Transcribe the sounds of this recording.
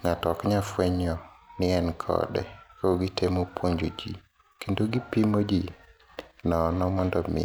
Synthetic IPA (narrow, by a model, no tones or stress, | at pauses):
ŋatɔkɲafweɲɔnɪɛnkʰɔ̰dɛ̰koɡitemopwoɲd͡ʒod͡ʒḭ | kendoɡipimod͡ʒi | nɔnɔmɔndɔmɪ̰